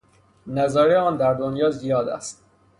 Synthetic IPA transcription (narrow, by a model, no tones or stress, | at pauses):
næzæːɾeɒːnd̪æɾd̪onjɒːzijɒːd̪æ̰st̪̚